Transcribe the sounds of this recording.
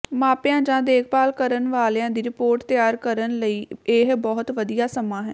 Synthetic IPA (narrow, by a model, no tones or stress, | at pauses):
maːpɪjãːd͡ʒãːd̪eːk̚ʰpaːlkəɾənʋaːlãːd̪iːɾɪpoːɾʈt̪ɪjaːɾkəɾənləiːɪɦbɔːʊt̪ʋəd̪ijaːsəmãːɦɛ̰ː